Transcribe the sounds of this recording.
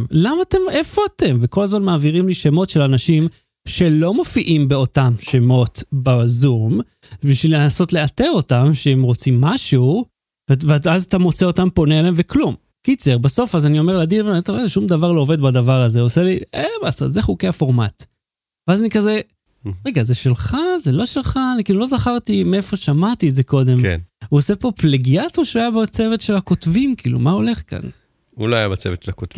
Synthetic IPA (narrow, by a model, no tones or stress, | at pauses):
lamaːte̞me̞fo̞ate̞mveko̞lazmanmaːviʁimliʃemo̞tʃelanaʃim | ʃe̞lo̞mo̞fiʔimbe̞o̞tamʃe̞mo̞tbazum | biʃvileso̞tle̞ate̞ʁo̞tamʃeemʁo̞t͡simːaʃu | vveazat̪amo̞t͡seo̞tampo̞nealaemveklum | kit͡seʁbaso̞fazanio̞me̞ʁlad̪invet̪oezʃumd̪avaʁlo̞ove̞d̪bad̪avaʁazeoseliebasa̰zeχukeafo̞ʁmat̪ | veazanikaze | ʁeɡazeʃe̞lχazelo̞ʃelχanikiːlulo̞zaχaʁt̪imeefo̞ʃamat̪iːtzeko̞d̪e̞mkḛnuosepo̞pleɡiat̪oʃeuajabat͡se̞vet̪ʃe̞lhako̞t̪vimkʰiːlṵmaole̞χka̰n | ṵloajabat͡sevett͡ʃʃelakoti